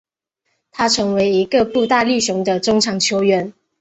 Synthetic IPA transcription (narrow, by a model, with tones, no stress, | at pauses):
t̪ʰa˥ʈ͡ʂʰɤ˧˥ŋwe˧˥ɪi˧˥ɡə˨pu˥˧t̪a˥˧li˥˩ɕʊ˧˥ŋd̪ə˧ʈ͡ʂʊ˥ŋʈ͡ʂʰɑ˨˩ŋt͡ɕʰjo˥ʊɥɛ˧˦n